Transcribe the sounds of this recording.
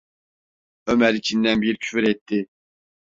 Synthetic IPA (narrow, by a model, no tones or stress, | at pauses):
ømɛɾit͡ʃʰind̪ɛnbiɾicʲʰy̥fyɾɛt̪ʰːɪ